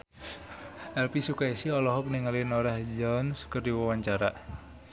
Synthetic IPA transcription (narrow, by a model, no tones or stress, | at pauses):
ɛlpisukaisiɔlɔɦɔk̚niŋalinɔɾahd͡ʒansu̥kərdiwawaɲt͡ʃaɾa